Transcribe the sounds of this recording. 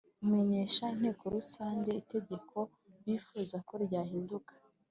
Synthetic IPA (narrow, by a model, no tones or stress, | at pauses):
ume̞ɲe̞ːʃain̥he̞ːko̞ɾusaːɲɟe̞ite̞ɟe̞kʰo̞ | βiːfuːzako̞ɾɟaːhiːndukḁ